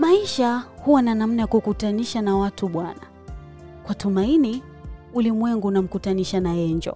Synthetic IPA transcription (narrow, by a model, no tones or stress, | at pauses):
maiʃahuwananam̩najakukutaniʃanawatuɓwana | kwatumaini | ulimwɛŋɡuːnam̩kutaniʃanajɛɲd͡ʒɔ̰